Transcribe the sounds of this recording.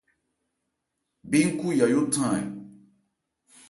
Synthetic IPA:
bĩ˦ŋ̩˦ku˦ja˨jo˦tʰã˦˨ḛ˨

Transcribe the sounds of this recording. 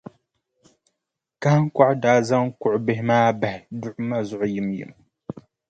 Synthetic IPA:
ka˦ha˦ŋ˦ka˦ʔdaː˨˦za˦ŋkʊ˨ʔʊ˨bɪ˦hɪ˦maː˦ba˨hɪ˨dʊ˦ʔʊ˦ma˦zʊ˨ʔʊ˦ji˨mjḭ˨m

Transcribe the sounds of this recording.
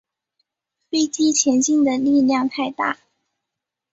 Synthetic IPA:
pi˥t̪ʰi˥t͡ɕʰjɛ˧˥nt͡ɕi˥˩nd̪ə˨li˥˧ljɑ˥˧ŋt̪ʰa˥˧ɪt̪a̰˥˩

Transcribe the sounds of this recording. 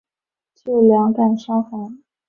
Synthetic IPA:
t͡ɕʰo˥˩ljɑ˧˥ŋka˥˩nʂɑ˥ŋxa˧˥˦

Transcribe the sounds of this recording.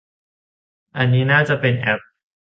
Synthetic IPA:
ʔa˧˨niː˦˥naː˥˩t͡ɕa˨pe˧nʔɛ˧˥p̚

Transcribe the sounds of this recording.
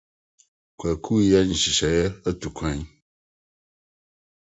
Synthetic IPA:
kʷɛ˨kʰu˦ja˦ɲĩ˨si˨ʃa˨jɛ˦ə˦tu˨kʰʷã˦ɲ˦

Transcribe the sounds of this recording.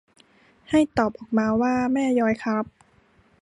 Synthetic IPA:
ha˥˩jt̪ɔː˨˩p̚ʔɔː˨˩k̚maː˧waː˥˩mɛː˥˩jɔː˧jkʰa˦˥p̚

